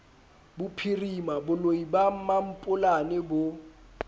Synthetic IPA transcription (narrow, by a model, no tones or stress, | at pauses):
bʊpʰirimabʊloibam̩mam̩pʼʊlanɛbo